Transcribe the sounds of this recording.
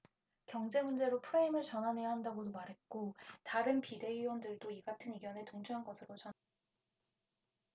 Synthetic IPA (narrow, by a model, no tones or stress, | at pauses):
kjʌŋd͡ʑe̞mund͡ʑe̞ɾopʰuɾeimɯɭt͡ɕʌnɦanɦe̞jaɦandaɡodomaɾɦe̞t̚k͈otaɾɯnpide̞ɥiwʌndɯɭdoiɡatʰɯniɡjʌne̞toŋd͡ʑʰuɦanɡʌsʰɯɾot͡ɕʌ